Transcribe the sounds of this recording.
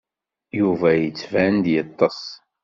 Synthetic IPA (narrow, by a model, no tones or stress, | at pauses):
juvæjət͡sːvænd̪jət̪ˤːɑs